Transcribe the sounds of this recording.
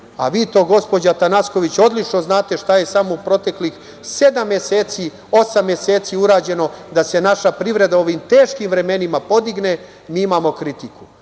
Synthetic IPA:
a̰ʋiːt̪o̞ːɡo̞spo̞d͡ʑat̪anasko̞ʋit͡ɕo̞d̪lit͡ʃno̞znaːt̪e̞ʃt̪aje̞samoupɾo̞t̪e̞klix | se̞d̪amːjeseːt̪si | o̞samːje̞se̞ːt̪siuɾaːd͡ʑe̞no̞d̪ase̞naʃapɾiʋɾe̞d̪ao̞ʋimt̪e̞ːʃkimʋɾe̞me̞nimapo̞d̪iɡne̞ | miːimaːmo̞kɾit̪iku

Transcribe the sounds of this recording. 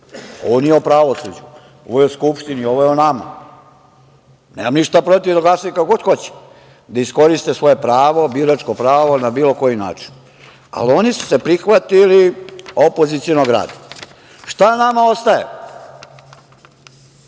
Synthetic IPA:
onjeopɾaʋo̞sud͡ʑu | o̞̰ʋojeoskupʃt̪inio̞ʋojeonama̰ | nemamniʃt̪apɾo̞t̪ivd̪aɡlˠaːsajikakoɡod̪xo̞t͡ɕɛ̥ | d̪aisko̞ɾist̪esʋo̞je̞pɾaːʋo̞biːɾat͡ʃkopɾaːʋo̞nabiːlo̞ko̞jina̰ːt͡ʃi̥n | a̰lo̞nisu̥se̞pɾixʋat̪iliopo̞zit̪sionoɡɾa̰ːd̪ḁ | ʃt̪anamao̞st̪ajḛ

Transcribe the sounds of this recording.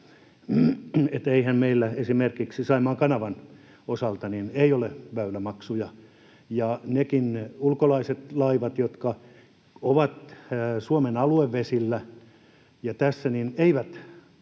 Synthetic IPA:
et̪eihæmmeilːæesimerkiksisɑimɑːŋkɑnɑʋɑn | osɑlt̪ɑnineioleʋæylæmɑksujɑ | jɑnekinulkolɑiset̪lɑiʋɑt̪jot̪kɑ | oʋɑt̪ːsuomenɑlueʋːesilːæ | jɑt̪æsːænineiʋæt̪

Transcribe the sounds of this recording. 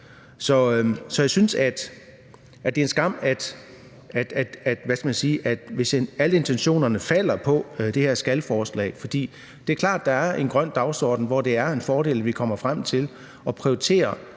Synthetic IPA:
sɒ̽sɒ̽jäɪsynsæd̥ | æd̥e̝ensɡ̥ɑ̈m̰æd̥ | æd̥æd̥æd̥ʋæskæmænsiːʔæd̥ʋe̝sæləe̝nt͡sʰenɕo̝̰ːnɐnəfæl̰ɐpʰɒ̽d̥e̝heɐsɡ̥æləfɒːslɛ̰ːfɒ̽d̥ḭː | d̥e̝æɐkʰlɑ̰̈ːd̥ːɑ̈æɐʔe̝nɡ̥ʁɶn̰d̥ɑ̈ʊsɒ̰ːd̥n̩ʋɒd̥e̝æɐe̝nfɒːɾe̝̰ːləʋikʰɒ̽m̰ɐfʁam̰t͡sʰe̝l | ɒ̽pʰʁioit͡sʰe̝̰ːɐ

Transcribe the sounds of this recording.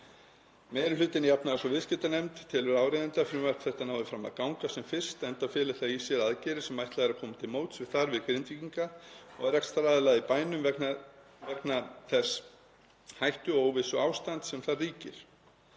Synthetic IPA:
mɛjɾʏʏːt̪ɪnɪjapnaðasɔvɪðscɪt̪anejmt̪ʰːɪlvɛɾaːwɾejðɪnt̪afɾɪmar̥p̪θɛht̪anaːwðɪfɾama̰ðkawŋkasɛmfɪr̥st̪ɛnt̪afɪːlɪt̪aisjɛlaðcɛɾɪ̥sɛmːajht̪laɛɾakʰɔːmat̪ʰɪlmoːwt̪svɪðθaɾvɪðkɾɪnt̪viciŋkaɔɣɛɾɛkst̪ɾaːðɪlaɣðipaːjnʏmvɛkna | vɛknaθɛs | hajht̪ʏoːwvɪsɔaːwst̪ant̪sɛmθarriːcɪɾ̥

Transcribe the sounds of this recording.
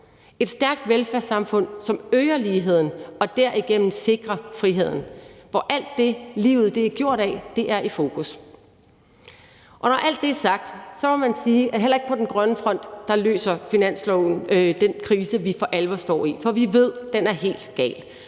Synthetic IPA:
e̝d̥sd̥æɐɡ̥̚d̥ʋelfæɐsɑ̈mfɔ̽n̰sɒ̽møːɐliːɦe̝ð̞̰ˠn̩ɒ̽d̥æɐ̰iɡ̥en̰n̩se̝ɡ̥ʁɐfʁiɦe̝ð̞̰ˠn̩ʋɒʔæl̰d̥ːe̝lḭːʊð̞̩ˠd̥e̝æɐɡ̥jo̝ɐ̰ɾ̥ɛd̥e̝ʔæɐʔifo̝ːkʰus | ʔɒ̽nɒʔæl̰d̥ːe̝æɐsɑ̈ɡ̥̚d̥sɒ̽mɒ̽mænsiːʔæɦel̰ɐe̝ɡ̥̚pʰɒ̽d̥enɡ̥ʁɶnəfʁɒ̽n̰d̥ːɑ̈lø̰ːsɐfinæn̰slɔʊn̩d̥enkʰʁiːsəʋifɒ̽ʔælʋɐsd̥ɒ̰ːifɒ̽ʋiʋe̝ð̞̰ˠd̥enæɐɦe̝̰ːld̥ɡ̥ɛ̰ːl

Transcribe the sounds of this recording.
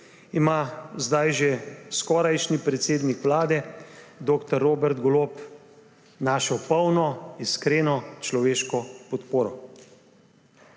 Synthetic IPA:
imazd̪ajʒeskɔɾajʃnipɾɛt̪seːd̪nikʋlaːd̪ɛd̪oːkt̪ɔɾːoːbɛɾd̪ɡɔloːp | naːʃɔpəwnɔiskɾeːnɔt͡ʃlɔʋeːʃkɔpɔt̪poːɾɔ

